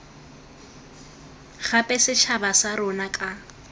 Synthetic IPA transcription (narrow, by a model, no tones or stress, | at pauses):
χapʼɛsɪʃʰabasaɾʊnakʼa